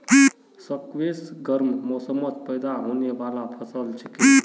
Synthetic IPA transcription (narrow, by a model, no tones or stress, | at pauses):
səkʋesɡəɾmmɔsəmət̪pəjd̪aɦoneʋalapʰəsəlt͡ʃʰi̥ki